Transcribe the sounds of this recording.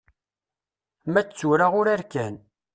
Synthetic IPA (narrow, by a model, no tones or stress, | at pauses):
mæt͡sːuɾaʁʊɾæɾkæn